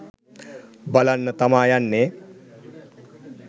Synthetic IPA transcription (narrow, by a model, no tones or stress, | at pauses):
bɐlanːɐt̪ɐmaːjanːe